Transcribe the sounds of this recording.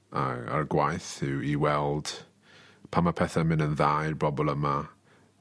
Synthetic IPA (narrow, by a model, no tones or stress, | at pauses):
a̰a̰rɡwajθɪwiwɛlˠd̥ | pʰamapʰɛθamɪnənðajrbɔbɔlˠəma